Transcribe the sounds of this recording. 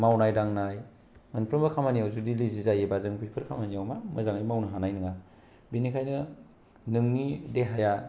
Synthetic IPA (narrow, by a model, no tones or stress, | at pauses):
mawnajdaŋnaj | mɯnpʰɾɯmbɐkʰamanijawzudilizizajebazɯŋpʰijpʰɯɾkʰamanijawmamɯzaŋajmawnɐɦanajnɯŋa | binikʰajnɯ | nɯŋnideɦaja